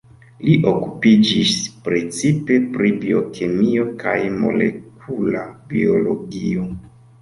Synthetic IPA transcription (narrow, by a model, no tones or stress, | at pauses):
liʔokupid͡ʒispɾe̞t͡sipe̞pɾibio̞kʰemio̞kajmo̞̰le̞̰k̚ʰulabiolo̞ɡio̞